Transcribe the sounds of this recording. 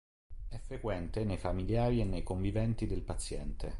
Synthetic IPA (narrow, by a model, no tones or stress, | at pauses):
ɛfːɾekwɛnt̪enejfamiljaːɾienːejkoɱvivɛnt̪id̪elpat̪sjɛnt̪ḛ